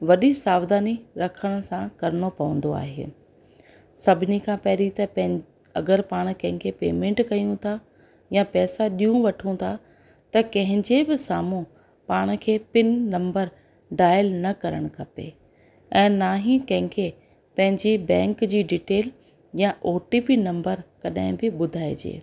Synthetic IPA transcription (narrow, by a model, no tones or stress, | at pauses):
ʋɐɗisaːʋd̪aːniɾɐkʰəɽ̃̆sãkɐɾɽopɐʋə̃n̆d̪oa̰ːɦḛː | sɐbʱɪnikʰãːpɐɦɾit̪ɐpɐ̃ɦɪ̃ | ɐɡəɾpaːɽ̃̆kɐ̃ɦɪ̃kʰepḛːmẽːɳʈkɐjũt̪ʰa | jãpɛːsaɗijũʋɐʈʰũt̪ʰa | t̪ɐkɐ̃ɦɪ̃ɲd͡ʑebɪsaːmũ | paːɽ̃̆kʰeːpɪnːɐ̃mbəɾ | ɖaːjəlnɐkɐɾəɽ̃ʊkʰɐpḛ | ɛ̃ːnaːɦĩkɐ̃ɦɪ̃kʰe | pɐ̃ɦɪ̃ɲd͡ʑibɛ̃ːŋkd͡ʑiːɖiːʈeːl | jãʔoːʈipinɐ̃mbəɾkɐɗaɦɪ̃bɪɓʊd̪ʱaːed͡ʑḛː